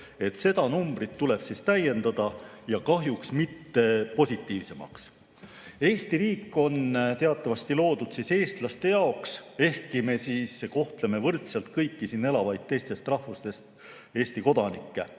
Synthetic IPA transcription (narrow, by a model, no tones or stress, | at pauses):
e̞t̪se̞d̪̥ɑnumbrit̪ːule̞b̥sist̪æje̞nd̪̥ɑd̪̥ɑjɑkɑɦjuksmit̪ːe̞po̞sʲit̪ːˑiːvse̞mɑ̰ks | e̞ːst̪iɾiːkːˑo̞nt̪e̞ɑt̪ːˑɑvɑst̪ilo̞ːd̪ud̪̥siːse̞ːst̪lɑst̪e̞jɑo̞kse̞hkˑime̞siːsko̞ht̪le̞me̞vɤrt̪selt̪̚kɤjkːˑisiːnːe̞lɑvɑjd̪̥̚t̪ːe̞jst̪e̞st̪rɑhfust̪e̞st̪ | e̞ːst̪iko̞d̪̥ɑnikːe̞